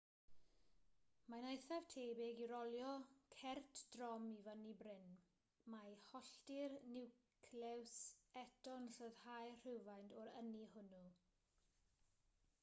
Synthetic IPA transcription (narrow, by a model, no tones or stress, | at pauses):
manajθav̥tʰeːbɪɡiɾɔlˠjɔkʰɛrtʰd̥rɔmivənibrɪn | majhɔɬtɪrnɪwkʰlɛwsɛtʰɔnɬɔðhajr̥ɪwvajndʰɔɾənihʊnu